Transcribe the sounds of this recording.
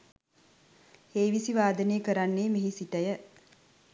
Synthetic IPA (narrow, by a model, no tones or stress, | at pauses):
heːʋisiʋaːd̪ənejːkəɾanːeːmeɦisiʈəjə